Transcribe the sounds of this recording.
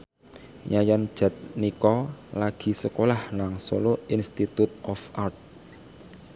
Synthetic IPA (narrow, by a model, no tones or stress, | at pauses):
ɲajand̥ʒ̥a̤t̪̚nikɔlaɡ̥i̤səkolahnaŋso̰loinst̪it̪ut̪̚ɔfart̪̚